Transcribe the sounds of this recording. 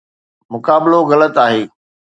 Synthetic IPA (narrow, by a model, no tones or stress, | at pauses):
mʊkaːbɪloɣɐlət̪aːɦeː